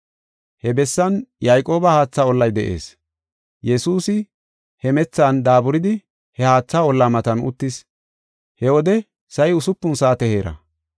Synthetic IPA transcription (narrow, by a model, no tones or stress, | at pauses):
hɛbɛsːɐnjajkʼo̞ːbɐhaːt͡sːaɔlːɐjd̪ɛʔe̞̰ːs | jɛsuːsɪ | hɛmɛt͡sːaːnd̪aːbʊɾɪd̪ɪ | hɛhaːt͡sːaːɔlːamɐt̪ɐnʊ̰t̪ːɪs | hɛwɔd̪ɛ | sɐjʊsʊpːʊnsaːt̪ɛhe̞ːɾɐ̰